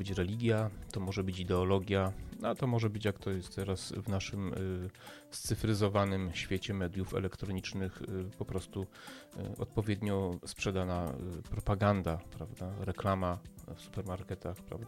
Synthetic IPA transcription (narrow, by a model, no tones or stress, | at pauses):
bɘt͡ɕɾɛlʲiɡʲjat̪ɔmɔʐɛbɘt͡ɕid̪ɛɔlɔɡʲjaat̪ɔmɔʐɛbɘt͡ɕjakt̪ɔjɛst̪t̪ɛɾasvnaʂɘm | st̪sɘfɾɘzɔvanɘmɕfʲjet͡ɕɛmɛd̪ʲjufɛ̰lɛkt̪ɾɔɲit͡ʂnɘxpɔpɾɔst̪u | ʔɔ̰t̪̚pɔvʲjed̪ɲɔspʂɛd̪anapɾɔpaɡand̪apɾavd̪aɾɛklamafsu̥pɛɾmaɾkɛt̪axpɾa̰vd̪